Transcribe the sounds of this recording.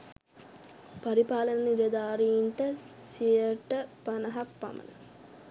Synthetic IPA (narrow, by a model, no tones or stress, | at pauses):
pɐɾipaːlɐnɐniɾɐd̪aːɾiiɳʈəsijəʈəpɐnɐɦak̚pa̰mɐ̰nə̰